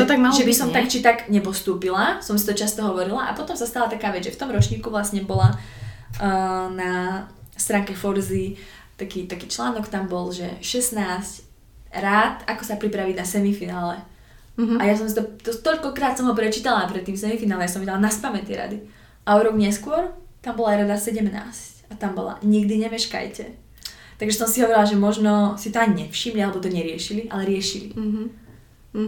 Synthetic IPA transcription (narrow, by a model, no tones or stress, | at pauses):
t̪ɔt̪aɡmalʒɛbisɔmakt͡ʃit̪aɡɲɛpɔst̪uːpilasɔmsi̥t̪ɔt͡ʃast̪ɔɦɔʋɔɾilaʔa̰pɔt̪ɔmsast̪alat̪akaːʋɛd͡zʒɛft̪ɔmɾɔt͡ʃɲiːkuʋlasɲɛbɔla | nast̪ɾaːŋkɛfɔɾzi | t̪akiːt̪akiːt͡ʃlaːnɔkt̪ambɔlʒɛ̰ʃɛsnaːsc | ɾaːt̪akɔsapɾipɾaʋinasɛmifinaːlɛ | ajasɔmsit̪ɔt̪ɔt̪ɔʎkɔkɾaːt̪sɔmɦɔpɾɛt͡ʃiːt̪alapɾɛt̪ːiːmsɛmifinaːlɛjasɔ̃mʋiɟɛlanaspamɛt̪iɛɾa̰d̪i | ʔaɔɾɔɡɲɛskʊɔɾt̪ambɔlaɾad̪asɛɟɛmna̰ːscat̪ambɔ̰la̰ɲiɡd̪iɲɛmɛʃka̰jcɛ | t̪aɡʒɛsɔmsiɦɔʋɔɾilaʒɛmɔʒnɔsit̪ɔaɲiɲɛfʃimlialɛbɔt̪ɔɲɛɾɪɛʃiliʔa̰lɛɾɪɛʃilḭ